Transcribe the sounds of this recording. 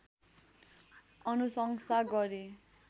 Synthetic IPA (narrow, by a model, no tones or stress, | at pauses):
ʌnusʌŋsaɡʌɾe